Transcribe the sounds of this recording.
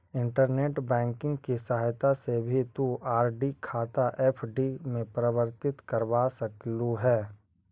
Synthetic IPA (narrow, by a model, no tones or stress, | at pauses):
ɪ̃ɳʈəɾneːʈbɛ̃ːŋkɪ̃ŋɡkisaɦajt̪asebʱit̪uʔaːɾɖikʰaːt̪aʔɛpʰɖimẽpɾəʋəɾt̪ɪt̪kəɾʋasɐkluɦɛː